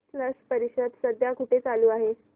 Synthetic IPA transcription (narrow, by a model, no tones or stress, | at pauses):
ləspəɾiɕəd̪səd̪ʱjakuʈet͡saluːaɦe